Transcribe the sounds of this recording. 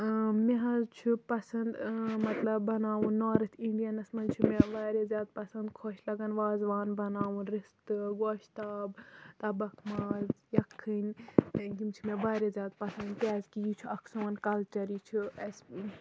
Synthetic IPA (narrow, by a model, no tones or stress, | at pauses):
meɦɐzt͡ʃʰupɐsɐnd̪mɐt̪lɐbːɐnaːʋunːoːɾɐt̪ʰiɳɖijɐnɐsmɐnt͡ʃʰumeʋaːɾezʲjaːd̪̚pɐsɐnd̪kʰoːʃlɐɡɐnʋaːzʋaːnbɐnaːʋunɾist̪ɨɡoːʃt̪aːbt̪ɐbɐkʰmaːzjɐkʰːɨnʲɡimt͡ʃʰumebaːɾezjaːd̪̚pɐsɐnd̪̚p̪aːzkijit͡ʃʰuɐksoːnkɐlt͡ʃɐɾiːt͡ʃʰuɐs